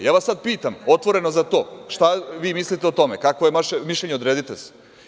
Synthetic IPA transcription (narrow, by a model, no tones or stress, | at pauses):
jaːʋasad̪̚piːt̪amo̞t̪ʋo̞ɾe̞nozat̪o̞ːʃt̪aʋiːmislit̪eot̪o̞mekakʋojeʋaʃemiʃʎeɲeod̪ɾeːd̪it̪es